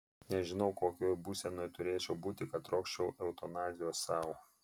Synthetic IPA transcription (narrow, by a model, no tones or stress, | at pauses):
nʲɛʒʲɪnɒʊkoːkʲoːjbuːsʲɛnoːjt̪ʊɾʲeːt͡ʃʲɛʊbuːt̪ʲɪkɐt̪ɾoːkʃʲt͡ʃʲɛʊʔɛʊt̪ɔnɑːzʲɪjoːsɑːˑʊ